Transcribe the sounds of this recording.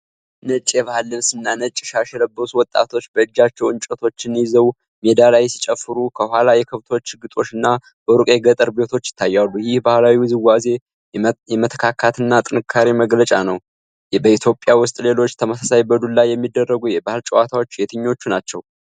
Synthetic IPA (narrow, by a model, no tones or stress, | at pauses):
nət͡ʃʼjɛβahlːɨβsɨnːanət͡ʃʼːɪʃaʃɛləbːəsuwɔt̪ʼːa̰t̪ʰo̞t͡ʃːbəɨd͡ʒːat͡ʃːɛwɨnt͡ʃʼət̪ʰo̞t͡ʃːɪnjizəw | med̪alajsit͡ʃʼəfːɨɾukʰəhʷalajɛkʰəβt̪ʰo̞t͡ʃːɨɡɨt̪ʼo̞t͡ʃːɨnːa | bəɾukʼeɡət̪ʼəɾbe̞t̪ʰo̞t͡ʃːjɪ̥t̪ʰːajːalːujɪhbahlawizɨwaze̞ | jɛmət̪ʰə̥kʰakʰat̪ɨnːat̪ʼɨnɨkʰːaɾiməɡlət͡ʃʼanəw | bəit̪ʰjo̞pʼjawʊst̪ʼle̞lo̞t͡ʃːt̪ʰəməsasajbəd̪ulajːɛmːid̪ːərːəɡujɛbahɨlt͡ʃʼəwat̪ʰawo̞t͡ʃːjɛt̪ʰɨɲːo̞t͡ʃːunat͡ʃːɛw